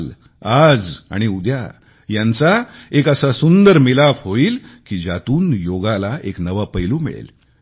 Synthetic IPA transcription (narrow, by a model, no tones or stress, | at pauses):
l | ad͡za̰ɽ̃iud̪ja̰ | jãnt͡saekəsasund̪əɾmilafɦoiːlkiːd͡ʑat̪uːnjoɡalaʔeknəʋapəjlumḭɭḛl